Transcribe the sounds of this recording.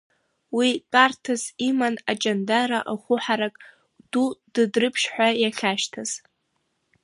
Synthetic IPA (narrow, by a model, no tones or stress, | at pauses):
wikʼartʰazimanat͡ʃʼandaɾaʔaχʷʊħaɾakʼ | d̥ud̥ɨdrɨpʰʃħᶣʷajaχʲaʃtʰaz̥